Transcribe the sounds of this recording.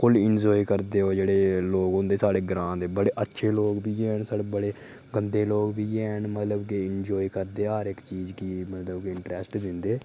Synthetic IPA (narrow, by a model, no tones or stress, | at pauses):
kʊlɪnd͡ʒɔːikəɾd̪eːoːd͡ʒeːɽeːloːɡɦõnd̪eːsaːɽeːɡɾãːd̪eːbəɽeːʔətːʃʰeːloːɡbiːɛnsaːɽeːbəɽeː | ɡənd̪eːloːɡbiːɛnmət̪ləbkɪɪnd͡ʒɔːikəɾd̪eːɦəɾɪkt͡ʃiːzkimət̪ləbkɪɳʈɾɛːsʈd̪ɪnd̪eː